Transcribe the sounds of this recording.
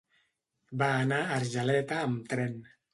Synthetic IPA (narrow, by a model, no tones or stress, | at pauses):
banaːrd͡ʒalɛt̪aːmt̪ɾɛn